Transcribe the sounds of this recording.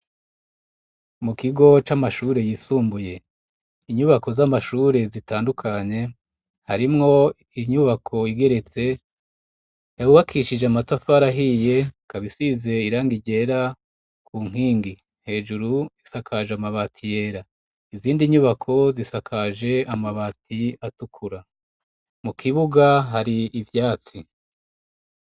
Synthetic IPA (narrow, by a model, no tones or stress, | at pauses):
mukiɡo̞t͡ʃamaʃuːɾe̞jiːsuːmbuje̞ | iɲuβako̞zamaʃuːɾe̞zitaːndukʰaɲe̞ | haɾimŋo̞ | iɲuβakʰo̞iɡe̞ɾe̞t͡se̞ | jauβakʰiʃid͡ʒeamatafaɾaɦije̞kaβisize̞iɾaːŋɡiɟe̞ɾa | kʰuːŋ̥iːŋɡi | n̥he̞ːʒuɾuisakʰaʒeamaβatʰije̞ːɾa | iziːndiɲuβakʰo̞zisakʰaʒe̞amaβaːtʰiatukʰuɾa | mukʰiβuɡaɦaɾiːvjaːt͡si